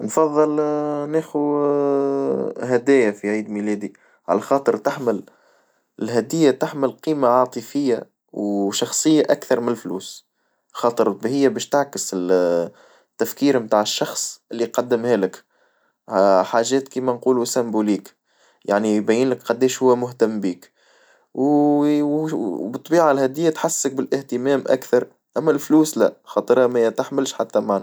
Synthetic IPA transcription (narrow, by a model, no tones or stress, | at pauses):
nfɑðˤːɨlnæːxu | ɦæd̪ɛːjafiʕiːd̪milɛːd̪i | ʕa̰læxɑːt̪ˤəɾt̪ɪħmɪl | ɪlɦæd̪ɪjːat̪aħmɪlqiːmaʕɑːt̪ˤɨfɪjːa̰ | wʃɑxsˤɨjːaʔækθɑɾˤmɪnɪlfluːs | xɑːt̪ˤəɾbhɪjːabɛːʃt̪aʕkəsɪl | t̪ːæfkiːɾmt̪aːʕɪʃːɑxsˤʔɪlːiqɑd̪ːəmhɛːlɪk | ħaːʒɛːt̪kiːmænquːlusæmbuliːk | ja̰ʕnibæjiːnləkqɑd̪ːɛːʃhʊwːæmʊht̪æmːbiːk | w | bɨt̪ˤːbiːʕalhæːd̪ɪjːat̪ħasːək̚bɪlʔɪht̪əmɛːmʔæ̰kθɑɾˤ | ʔæmːælfluːslæ̰xɑːt̪ˤɾˤhæmæjt̪aħmɪlʃħat̪ːæmaʕn